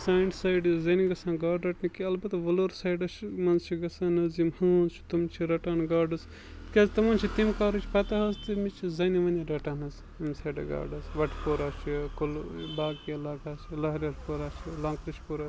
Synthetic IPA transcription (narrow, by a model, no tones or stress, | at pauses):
saːiɳʈsɐjɖizɐniɡɐsaːnɡaːɖɾɐʈnikiɐlbɐt̪ʋɐloːɾsɐːjɖɐt͡ʃʰmɐnzt͡ʃʰiɡɐsanɐzimhunt͡ʃʰi̥t̪umt͡ʃʰiɾɐʈanɡaːɖɐz | kʲɐzt̪ɐmɐnt͡ʃʰit̪imkaːɾut͡ʃʰi̥pɐt̪ɐɦɐzt̪ɨmit͡ʃʰizɐniʋɐnʲiɾɐʈanɐz | imsɐjɖɐ̰ɡa̰ːɖɐzʋɐʈʰpoːɾat͡ʃʰikulbaːɡkilaːkaːt͡ʃʰilɐɦɾʲɐʈpoːɾaːt͡ʃʰilɐːŋkɾɐʃpoːɾaː